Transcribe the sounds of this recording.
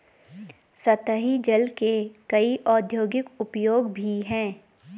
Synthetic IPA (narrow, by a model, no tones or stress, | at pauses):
sɐt̪əɦid͡ʒɐlkekɐiʔɔːd̪ʱjoːɡɪkʊpjoːɡbʱiɦɛ̃ː